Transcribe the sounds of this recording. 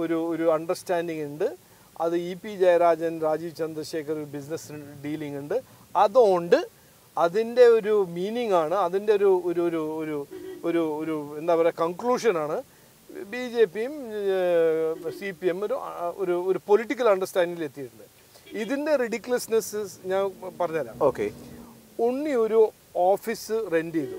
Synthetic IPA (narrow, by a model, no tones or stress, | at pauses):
o̞ɾuoɾuɐɳɖɐrstaːndiŋuɳɖɨ | ɐðɨipid͡ʑajɾaːd͡ʑɐnɾaːd͡ʑiːʋt͡ɕɐnd̪rɐɕe̞ːkʰɐroɾubisnɐsɖiːliŋɡuɳɖɨ | ɐðo̞ːɳɖɨ | ɐðinde̞o̞ɾumiːniŋːaːɳɨɐðinde̞o̞ɾuoɾuɾuoɾuoɾuoɾue̞nd̪aːpɐrekɐŋkluːʂɐnaːɳɨ | biːd͡ʑe̞ːpːijum | sipiemo̞ɾuo̰ɾuoɾupo̞liʈːik̬ːɐlɐɳɖɐstaːniŋɡile̞t̪ːijʈːuɳɖɨ | iðinde̞riɽikːilɐsnɐsɨɲaːnpɐrɐɲːaːla̰ːoːkḛ | uɳːio̞ɾu | oːfisɨre̞ndijðɨ̰